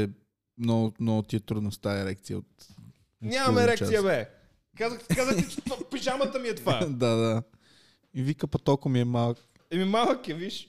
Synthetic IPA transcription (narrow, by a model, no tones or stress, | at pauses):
ɛ | mnɔɡʊmnɔɡʊt̪iɛt̪ɾud̪nʊst̪aɛɾɛk̚t̪sijə̰ʊ̰t̪̚ | nɲʲamɐmɛɾɛkt͡ʃasijɐβɛ | kazɐkkazɐiapiʒamɐt̪ɐmiɛt̪vad̪ad̪a | ivikɐpɐt̪ɔlˠkʊɐmiɛmawˠək | ɛmimalˠɐkɐviʃ